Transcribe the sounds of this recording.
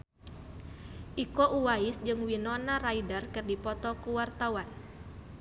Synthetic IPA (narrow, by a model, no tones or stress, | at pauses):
ʔikɔʔuwaisd͡ʒɨŋwinɔnaɾaidərkɨrdipɔt̪ɔkuwart̪awan